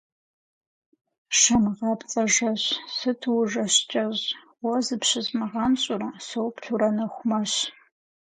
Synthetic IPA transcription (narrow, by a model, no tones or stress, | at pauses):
ʃɐmʁɑpt͡sʼɐʒɐɕsɨtʰwʐɐɕt͡ʃʼɐʑ | wɐzɨpɕɪzʼmɨʁɑmɕʼʊrɐsowpɬuɾɐnɐxʷʊmɐɕ